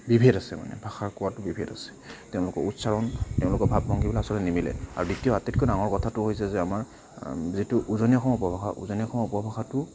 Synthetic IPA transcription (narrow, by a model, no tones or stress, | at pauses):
bibʱedasɛma̰nɛ̰bʱaxaɹkɔwatʊbibʱedasɛ̥tɛʊ̃lʊkɔɹutsaɹɔntɛʊ̃lʊkɔbʱabːɔŋɡibɔlɛasɔlɛnimilɛ̰a̰ɹuditijɔatetkojdaŋɔɹkɔtʰatʊɦojsɛzɛamaɹ | zitʊʔuzɔnijɔkʰɔmupɔbʱaxa̰ʔṵzɔniɔkʰɔmupɔbʱaxatʊ